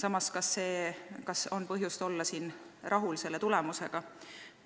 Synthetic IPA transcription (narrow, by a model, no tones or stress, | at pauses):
sɑmɑskɑsːe̞ːkɑso̞npɤɦjust̪o̞lːɑsiːn | rʔɑɦulse̞lːe̞t̪ulɛmuse̞ɡ̥ɑ